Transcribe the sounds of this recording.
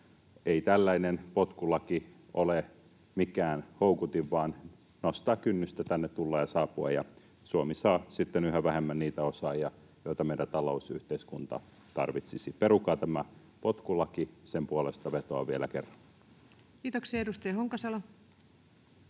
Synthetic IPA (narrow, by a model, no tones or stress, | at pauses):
eit̪ælːæinenpot̪kulɑki | ʔole | mikæːnhoukut̪iʋʋɑːn | nost̪ɑːkkynːyst̪æt̪ænːet̪t̪ulːɑjɑsɑːpːuɑ̰jɑ̰ | suomisɑːsit̪ːenyhæʋæhemːænniːt̪æosɑːjɑ | jot̪ɑmeidænt̪ɑlousyht̪eiskunt̪ɑ̰ | t̪ɑ̰rʋit̪sisiperukˑɑːt̪æmæ | pot̪kulɑkisempuolest̪ɑʋet̪oɑ̰ʋielæ̰kerːɑn | kiːt̪oksiɑeɾust̪ɑjɑhoŋkɑsɑlɑ